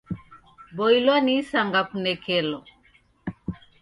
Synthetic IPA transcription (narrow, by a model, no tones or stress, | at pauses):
bɔilwanisaŋɡakunɛkɛlɔ